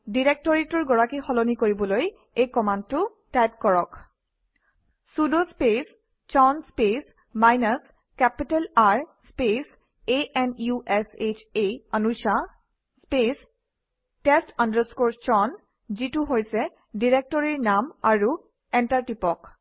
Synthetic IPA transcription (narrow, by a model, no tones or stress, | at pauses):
diɹek̚tɔɹitɔɹɡɔɹakixɔlonikoɹibɔloj | ejkɔmand̚tʊ | tajp̚kɔɹɔk | sudospes | t͡ʃɔnspes | majnas | kɛpitɛlaɹspes | eʔɛnjuʔɛset͡ʃeanuʃa | spes | tɛstandəskoɹst͡ʃɔn | zituɦojsɛ | diɹek̚tɔɹiɹnamaɹu | ɛntaɹtipɔk